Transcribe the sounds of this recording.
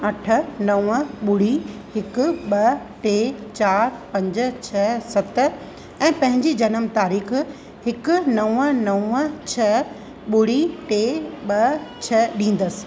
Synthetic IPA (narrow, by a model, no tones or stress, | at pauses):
ɐʈʰə̆nɐʋə̃ɓʊɽihɪkʊ̆ɓɐ | ʈeːt͡ɕaːɾpɐ̃ɲd͡ʑ̆t͡ɕʰɐsɐt̪ | ɛ̃ːpɐ̃ɦɪ̃ɲd͡ʑid͡ʑɐnəmt̪aːɾiːx | hɪkʊ̆nɐʋə̃nɐə̃t͡ɕʰɐ | ɓʊɽiʈeːɓɐt͡ɕʰɐɗĩːn̆d̪əsɪ̥̆